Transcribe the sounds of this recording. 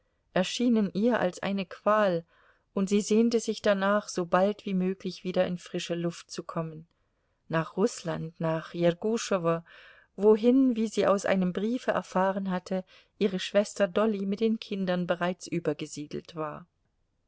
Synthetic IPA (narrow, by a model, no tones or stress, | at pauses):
ʔɛɐʃiːnənʔiːɐʔa̰lsʔa̰ɪnəkv̥aːl | ʔʊntz̥iːzeːntəzɪçd̥anaːχz̥oːbaltv̥iːmøːklɪçv̥iːdɐɪnfʁ̥ɪʃəlʊft̚t͡sukʰɔmən | naːχʁʊslantnaːχjɛɡuʃɔvɐ | voɦɪnviːziːa̰ʊsʔa̰ɪnəmbʁiːfəʔɛ̰ɐfaːʁənɦatʰə | ʔiːʁ̞əʃv̥ɛstɐdɔlimɪt̚d̥eːnkʰɪndɐnbəʁaɪt͡sʔyːbɐɡəziːdl̩tv̥aːɐ